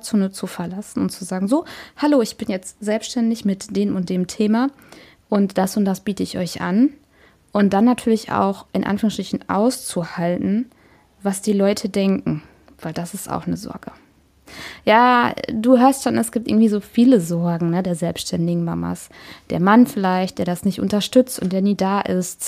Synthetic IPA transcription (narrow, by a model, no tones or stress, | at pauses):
t͡soːnət͡sufɛɐlasn̩ʊntt͡suzaːɡŋ̩zoːhaloːɪçb̥ɪnjɛt͡stz̥ɛlpsʃtɛndɪçmɪtd̥eːmʊnt̚d̥eːmtʰeːma | ʔʊntd̥asʊnt̚d̥asb̥iːtəɪçɔ̰ʏçʔa̰n | ʔʊnt̚d̥anːatʰyːɐlɪça̰ʊxʔɪnʔa̰nfyːʁəŋstʁ̥ɪçn̩ʔa̰ʊst͡suhaltn̩ | vasd̥iːlɔʏtʰədɛŋkŋ̩ | v̥aɪldasɪsta̰ʊxnəzɔ̰ɐɡ̥ə | jaːduːɦøːɐstʃoːnʔɛsɡ̥iːptʔɪ̰ɐɡŋ̩tv̥iːzoːfiːləzɔɐɡŋ̩nədeːɐzɛlpsʃtʰɛndɪɡŋ̩mama̰sd̥ḛːɐmanfɪlaɪçt̚d̥eːɐdasnɪçtʔʊ̰ntɐʃtʏt͡stʊnt̚d̥eːɐniːdaːʔɪst